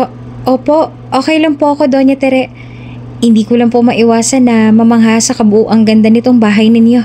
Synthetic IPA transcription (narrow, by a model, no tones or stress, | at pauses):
ʔoːpo̞ʔ | ʔo̞ːkɛjlɐŋpoʔɐko̞d̪o̞ɲɐt̪ɛɾɛʔ | hɪnd̪iːkolɐŋpomɐʔɪwaːsɐnːɐmɐmɐŋɦaːsɐkɐbʊʔuːʔɐŋɡɐnd̪ɐnɪt̪oŋbaːɦɐjnɪnjo̞